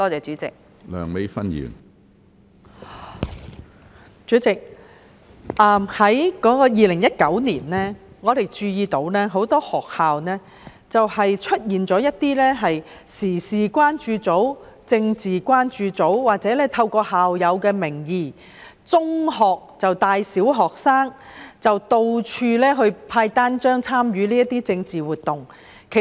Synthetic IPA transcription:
t̪ɔː˥t͡sɛː˨˧t͡ʃyː˨˥t͡sɪ˨k̚ | lœ̰ː˨˩ŋme˨˧jfɐ˥njy̰ː˨˩n | t͡ʃyː˨˥t͡sɪ˨k̚ | ʔɐː˨mhɐ˨˥jkɔː˨˧˥kɔː˧jiː˨˧lɪ˨˩ŋjɐ˥t̚kɐ˨˥wniː˨˩nnɛː˥ŋɔː˨˧d̪e˨jt͡ʃyː˧jiː˨˧t̪o˨˥wnɛː˥ɦo˨˥wt̪ɔː˥hɔː˨˩k̚haː˨wnɛː˥ | t͡sɐ˨whɐ˨jt͡ʃʰɵ˥t̚jiː˨nt͡sɔː˨˥jɐ˥t̚t̪iː˥lɛː˥ɦɐ˨j | siː˨˩siː˨kʷaː˥nt͡ʃyː˧t͡so˨˥w | t͡sɪ˧ŋt͡siː˨˩kʷaː˥nt͡ʃyː˧t͡so˨˥wwaː˨k̚t͡sɛː˨˧˥lɛː˥t̪ʰɐ˧wkɔː˧haː˨wjɐ˨˧wkɛː˧mɪ˨˩ŋjiː˨ | t͡sʊ˥ŋɦɔː˨k̚t͡sɐ˨wt̪aː˨jsiː˨˥wɦɔː˨k̚saː˥ŋ | t͡sɐ˨wt̪o˧wt͡ʃʰyː˧lɛː˥ɦɵ˧ɥpʰaː˧jt̪aː˥nt͡ʃœː˥ŋt͡sʰaː˥mjyː˨˧liː˥ɐ˥t̪iː˥t͡sɪ˧ŋt͡siː˨wuː˨˩t̚t̪ːʊ˨˩ŋ | kʰe˨˩

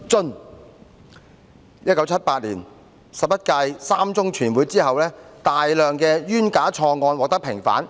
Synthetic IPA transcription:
t͡ʃɵ˥n | jɐ˥kɐ˨˥wt͡sʰɐ˥t̚paː˧t̚lḭː˨˩n | sɐ˨p̚jɐ˥t̚kaː˧jsaː˥mt͡sʊ˥ŋt͡ʃʰyː˨˩nwuː˨˧jt͡siː˥hɐ˨wlɛː˥t̪aː˨jlœː˨ŋkɛː˧jyː˥nkaː˨˥t͡ʃʰɔː˧ŋːɔː˧nwɔː˨k̚t̪ɐ˥k̚pʰɪ˨˩ŋfa̰ː˨˥n

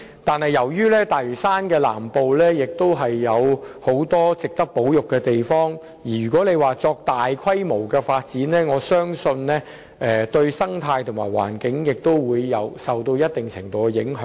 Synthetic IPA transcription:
t̪aː˨nhɐ˨jɐ˨˩wjyː˥lɛː˥t̪aː˨jy˨˩saː˥nkɛː˧la̰ː˨˩mpo˨wlɛː˥jɪ˨k̚t̪o˥wɦɐ˨jːɐ˨˧who˨˥wt̪ɔː˥t͡sɪ˨k̚t̪ɐ˥k̚po˨˥wjʊ˨kːɛː˧t̪e˨jfɔː˥ŋ | jiː˨˩ɥyː˨kɔː˨˥le˨˧jwaː˨t͡sɔː˧k̚t̪aː˨jkʷʰɐ˥jmo˨˩wkɛː˧faː˧t̚t͡siː˨˥nlɛː˥ŋɔː˨˧sœː˥ŋsɵ˧nlɛː˥ | ʔɛː˨t̪ɵ˧ɥsɐ˥ŋt̪ʰaː˧jt̪ʰʊ˨˩ma̰ː˨˩jwa̰ː˨˩nkɪ˨˥ŋjɪ˨k̚t̪o˥wwuː˨˧jjɐ˨˧wsɐ˨wt̪o˧wjɐ˥t̚t̪ɪ˨ŋsʰɪ˨˩ŋt̪o˧wkɛ˧jɪ˨˥ŋɦœː˨˥

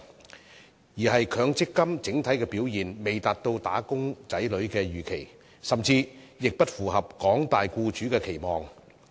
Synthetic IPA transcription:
jiː˨˩hɐ˨jkʰœː˨˧ŋt͡sɪ˥kːɐ˥mt͡sɪ˨˥ŋt̪ʰɐ˨˥jkɛ˧piː˨˥wjiː˨˩nme˨jt̪aː˨t̚t̪o˧wt̪a̰ː˨˥kʊ˥ŋt͡sɐ˨˥jlɵ˨˧˥ɥkɛː˧jyː˨kʰe˨˩j | sɐ˨˩mt͡siː˧ | jɪ˨k̚pɐ˥t̚fuː˨˩ɦɐ˨p̚kɔː˨˥ŋt̪aː˨jkuː˧t͡ʃyː˨˧˥kɛː˧kʰe˨˩jmɔː˨˩ŋ

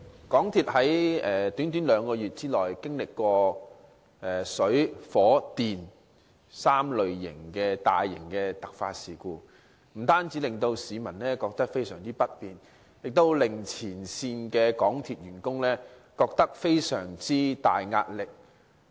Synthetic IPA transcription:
kɔː˨˥ŋt̪ʰiː˨t̚hɐ˨˥jɛː˨˩t̪yː˨˥nt̪y˨˥nlœː˨˧ŋkɔː˧jyː˨t̚t͡siː˥lɔː˨˩jkɪ˥ŋlɪ˨kːɔː˧ | ɛː˨sɵ˨˥ɥfɔː˨˥t̪iː˨n | saː˥mlɵ˨ɥːɪ̰˨˩ŋkɛː˧t̪a̰ː˨jːɪ̰˨˩ŋkɛː˧t̪ɐ˨k̚fa̰ː˧t̚siː˨kuː˧ | m̩˨˩t̪aː˥nt͡si˨˥lɪ˨ŋt̪o˧wsiː˨˧mɐ˨˩nlɛː˥kɔː˧k̚t̪ɐ˥k̚fe˥jsœː˨˩ŋt͡siː˥pɐ˥t̚piː˨n | jɪ˨k̚t̪o˧wlɪ˨˩ŋt͡sʰiː˨˩nsiː˧nkɛː˧kɔː˨˥ŋt̪ʰiː˨t̚ɥyː˨˩nkʊ˥ŋlɛː˥ | kɔː˧k̚t̪ɐ˥k̚fe˥jsœ̰ː˨˩ŋt͡siː˥t̪a̰ː˨jŋa̰ː˧t̚lɪ˨k̚

